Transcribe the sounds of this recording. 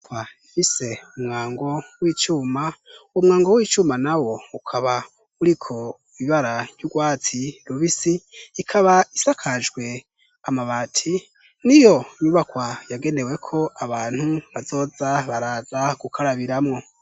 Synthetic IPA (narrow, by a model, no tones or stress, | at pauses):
kwaifise̞umŋaːŋɡo̞wiːt͡ʃuːmaumŋaːŋɡo̞wiːt͡ʃuːmanawo̞ukʰaβa | uɾikʰo̞ | iβaɾḁjuɡwaːtiɾuβisiːkʰaβaisakʰaʒɡwe̞ | amaβaːtʰi | nijo̞iɲuβakwajaɡe̞ne̞we̞kʰo̞aβaːn̥huβazo̞ːzaβaɾaːzaɡ̥ukʰaɾaβiɾamŋo̞